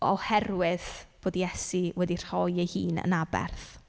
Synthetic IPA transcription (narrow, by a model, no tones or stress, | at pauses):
ɔhɛrwɪð̥b̥oːdijɛsiwɛdir̥hɔjejhiːnə̰nabɛ̰rθ